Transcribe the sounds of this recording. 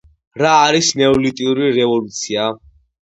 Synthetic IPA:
ɾaːɾisnɛɔlit̪ʼiuɾiɾɛvɔlut̪sʰia

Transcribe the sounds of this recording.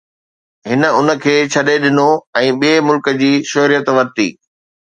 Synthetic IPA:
ɦɪnə̆ʊnə̆kʰeːt͡ɕʰɐɗeɗɪnoɛ̃ːɓiemʊlkə̆d͡ʑiːʃoɦɾijət̪ʋɐɾt̪ḭː

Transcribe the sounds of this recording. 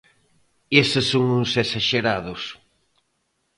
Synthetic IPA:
esɪsːoŋusesaʃeɾaðʊs

